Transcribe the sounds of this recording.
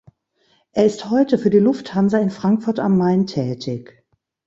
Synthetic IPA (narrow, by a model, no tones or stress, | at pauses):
ʔeːɐɪsthɔʏtəfyːɐdiːlʊfthanzɐɪnfʁ̥aŋkfʊɐta̰mːaɪntʰɛːtʰɪç